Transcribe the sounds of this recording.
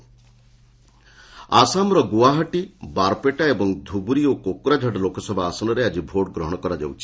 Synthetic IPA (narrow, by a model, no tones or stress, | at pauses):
asamɾɔɡuwaɦɔʈibaɾpeʈaebɔŋd̪ʱubuɾiokokuɾad͡ʒʱaɖɔlokɔsɔbʱaasɔnɔɾead͡ʒibʱoɖɡɾɔɦɔɽ̃ɔkɔɾad͡ʒa̰wt͡ʃʰi̥